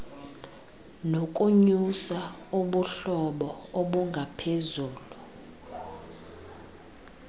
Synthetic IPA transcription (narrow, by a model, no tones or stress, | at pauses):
nokʼuɲusauɓuɬɔɓɔoɓuŋɡʱapʰezuːlu